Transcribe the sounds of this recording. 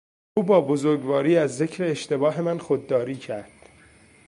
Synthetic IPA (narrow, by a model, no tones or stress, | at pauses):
ʔuːbɒːbozoɾɡvɒːɾiːæzːe̞cʰɾeːʃt̪e̞bɒːɦe̞mænxod̪ːɒːɾiːcʰæɾd̪̥